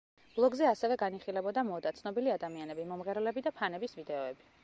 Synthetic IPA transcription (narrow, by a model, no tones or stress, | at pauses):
b̥lˠɔɡzɛasɛvɛɡaniχilɛbɔd̪amɔd̪at̪sʰnɔbiliad̪amianɛbimɔmʁɛɾɛlɛbid̪apʰanɛbisvid̪ɛɔɛbi